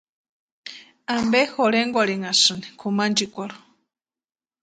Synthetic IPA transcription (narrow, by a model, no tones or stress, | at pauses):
ambexoɾeŋɡʷaɾiŋasɨnikʰumand͡ʒikʷaɾo̥